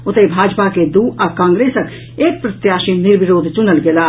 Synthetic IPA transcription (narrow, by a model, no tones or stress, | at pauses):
ʊt̪ebʱaːd͡ʒpaked̪uːʔɐkãːŋɡɾeːsək | eːk̚pɾət̪jaːʃinɪɾʋɪɾoːd̪ʱt͡ʃʊnəlɡɪlaː